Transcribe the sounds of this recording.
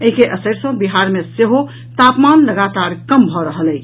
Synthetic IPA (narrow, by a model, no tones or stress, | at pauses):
əɦikeʔəsəɾsə̃biɦaɾmẽseɦo | t̪apmanləɡat̪aɾkəmbʱɔɾəɦələj